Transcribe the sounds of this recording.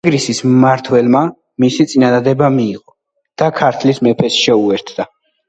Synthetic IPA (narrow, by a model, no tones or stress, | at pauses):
ɡɾisismaɾt̪ʰwɛlma | misit̪sʼinad̪ad̪ɛbamiːʁɔ | d̪̥akʰaɾt̪ʰlismɛpʰɛsʃɛuɛɾt̪ʰd̪a